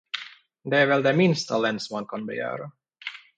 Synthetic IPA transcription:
d̪ɛːɾvɛld̪ɛmɪnst̪alɛnsmankʰɑnbɛ̰jœ̰ːɾa

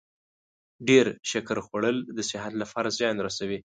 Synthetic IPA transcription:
ɖeɾʃakɾxwaɽəld̪əsɪɦat̪lapʰɑɾazjɑnɾasawi

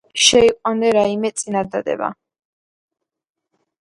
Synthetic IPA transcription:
ʃɛiqʼwand̪ɛɾaimɛt̪sʼinad̪ad̪ɛ̰ba̰

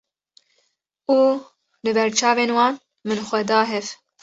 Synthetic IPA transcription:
uː | bɨbɛɾt͡ʃʰɑːveːnwɑːn | mɨnxʷɛd̪ɑːɦɛv

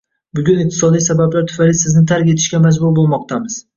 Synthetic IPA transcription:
bʊɡʲʊnɪq̚t̪ʰɪ̥sɒd̪ijsabablaɾt̪ʰʊ̥fajlɪsɪznɪt̪ʰaɾkʲe̞t̪ʰɪʃkʲamad͡ʒbʊɾbolˠmɒq̚t̪ʰamɪz̥

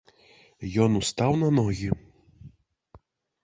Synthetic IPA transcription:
jɔnust̪awnɐnɔɣʲi

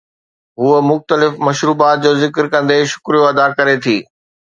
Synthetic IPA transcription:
ɦuəmʊxt̪əlɪfmɐʃɾuːbaːt̪̚d͡ʑoːzɪkəɾkɐ̃nd̪eʃʊ̥kɾijõɐd̪akɐɾet̪ʰiː

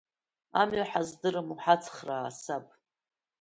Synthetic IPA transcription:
a̰mɥaħazdɨrɨmuħat͡sʰʼχraːsapʼ

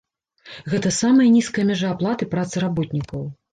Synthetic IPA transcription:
ɣɛt̪ɐsamɐjɐnʲiskɐjɐmʲɛʐɐːplˠat̪ɨpɾat̪sɨɾabɔt̪ʲnʲikɐw

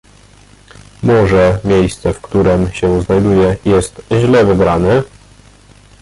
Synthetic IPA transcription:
mɔʐɛmʲjejst̪sɛfkt̪uɾɛmɕɛznajd̪ujɛjɛst̪ʑlɛvɨbɾanɛ

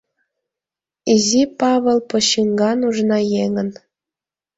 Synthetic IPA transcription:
izʲipɑβɤ̆lˠpŏɕiŋɡɑnuʒnɑjeŋə̆n

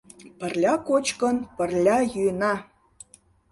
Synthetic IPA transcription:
pə̆rlʲɑkot͡ɕkənpə̆rlʲɑjyjənɑ

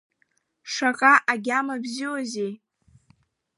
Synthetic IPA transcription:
ʂaqʼaʔaɡʲamabziwozej

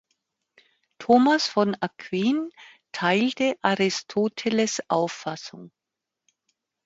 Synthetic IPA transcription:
tʰoːmasfɔnakʰv̥iːntʰaɪltəʔaʁɪstʰoːtʰələsʔa̰ʊfːasʊ̰ŋ

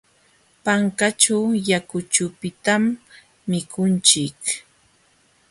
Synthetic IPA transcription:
paŋkat͡ʃawjakʊt͡ʃʊpɪt̪amː | ɪkʊnt͡ʃɪk

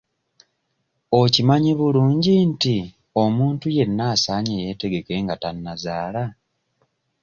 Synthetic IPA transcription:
o̞cimaɲiβuluːɲɟinti | o̞muːntuje̞nːaːsaːɲeje̞te̞ɡe̞ke̞ŋɡatanːazaːla

